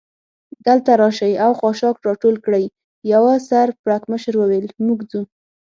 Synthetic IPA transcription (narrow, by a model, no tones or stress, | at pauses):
d̪əlt̪aɾɑʃajawxɑʃɑkɾɑʈolkɽəj | jawasaɾpɽakməʃəɾwəwelmuɡd͡zu